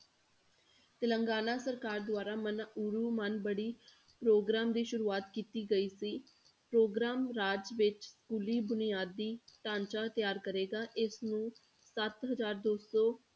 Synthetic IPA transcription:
t̪ɪləŋɡaːnaːsəɾkaːɾd̪ʊaːɾaːmənuːɾuːmənbəɽiː | pɾoːɡɾaːmd̪iːʃʊɾuːaːt̪kiːt̪iːɡəiːsiː | pɾoːɡɾaːmɾaːd͡ʒʋɪt͡ʃskuːliːbʊnijaːd̪ːiːʈãːnt͡ʃaːt̪ɪjaːɾkəɾeːɡaːʔɪsnũː | sət̪ɦəzaːɾd̪oːsɔː

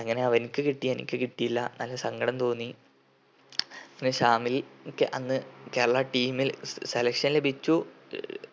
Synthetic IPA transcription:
ɐŋːɐne̞ɐʋɐnikʲːɨkiʈːienḭkʲːɨkiʈːijilːɐnɐlːɐsɐŋɡɐɽɐmt̪o̞ːnːi | ɐŋːɐneɕaːmilkːɨʔɐnːɨke̞ːɾɐɭaːʈiːmilse̞lɐkʂɐnle̞bʱit͡ɕːu

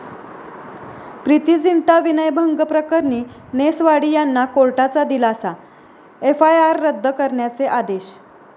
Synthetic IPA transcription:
pɾit̪iːd͡ziɳʈaʋinəjbʱəŋɡəpɾəkəɾniːnesʋaɽiːjanːakoɭʈat͡sad̪ilaːsa | efajaɾːəd̪ʱːəkəɾɳjat͡seʔad̪eɕ

